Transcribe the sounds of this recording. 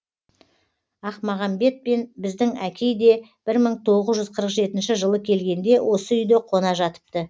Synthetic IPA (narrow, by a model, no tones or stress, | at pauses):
ɑqmɑʁɑmbe̞t̪̚penbɪzd̪ɪŋækʲe̞jd̪e̞b̥ɪɾməɴt̪ʰo̞ʁəzʒʏzqʰəɾəqʒe̞t̪ɪnʃɪʒəlˠəkʲʰe̞lɡʲe̞nd̪e̞wʔo̞səʏjd̪ɪqʰo̞nɑʒɑt̪ə̥p̚t̪ə